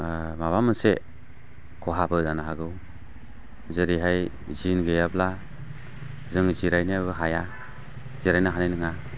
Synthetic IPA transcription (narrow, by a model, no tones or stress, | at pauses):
maβamɯse | kʰɔɦabɯdanaɦaɡɯw | zɯɾiɦaj | zinɡejabla | zɯŋziɾajnijabɯɦaja | ziɾajnaɦanajnɯŋa